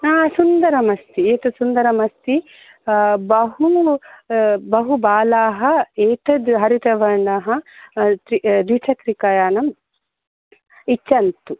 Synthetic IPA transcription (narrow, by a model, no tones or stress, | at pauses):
aːsund̪ɐɾɐmɐst̪ieːt̪usund̪ɐɾɐmɐst̪i | bɐɦu | bɐɦubaːlaːɦɐeːʈɐd̪ɦɐɾiʈ̪ɐʋɐɾɳɖɐɦɐt̪ɾid̪it͡ʃʰɐkɾikɐjaːnɐm | it͡ʃːɐnt̪u